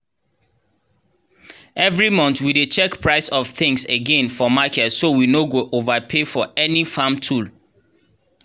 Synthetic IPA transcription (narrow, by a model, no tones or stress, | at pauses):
ʔɛvɹimɔ̃nθwidet͡ʃɛkpʰɹaɪsɔv̥θɪ̃ŋseɡɛ̃nfɔmakɛtsowinoɡoʔovəpʰefɔɛnifãmtʰul